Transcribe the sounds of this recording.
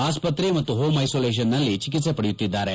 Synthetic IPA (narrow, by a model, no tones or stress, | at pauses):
aːspɐt̪ɾemɐt̪ːuɦoːmɐjsoːleːʃ̬ɐnːɐlːit͡ʃikit̪se̞pɐɽejut̪ːid̪ːaːɾe